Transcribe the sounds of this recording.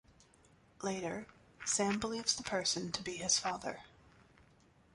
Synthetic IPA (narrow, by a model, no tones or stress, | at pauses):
leɪɾə˞ | sæ̃mbəlivz̥ðəpʰɜ˞sɨ̃ntʰəbiɪz̥fɑðə̰˞